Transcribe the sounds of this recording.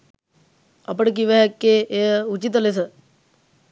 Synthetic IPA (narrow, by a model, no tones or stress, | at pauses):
ɐpəɽk̬iʋɛɦkːeeut͡ʃit̪əlesə